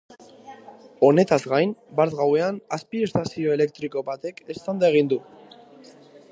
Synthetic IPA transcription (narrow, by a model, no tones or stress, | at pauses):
o̞ne̞t̪azɣajnbaɾt̪ɣawe̞anaspie̞st̪asio̞e̞le̞k̚t̪ɾiko̞βat̪e̞ke̞st̪and̪aeɣ̞ind̪u